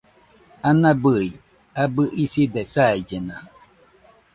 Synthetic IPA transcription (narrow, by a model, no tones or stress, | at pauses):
anabɨi | abɯʔisid̪ɛsaid͡ʒena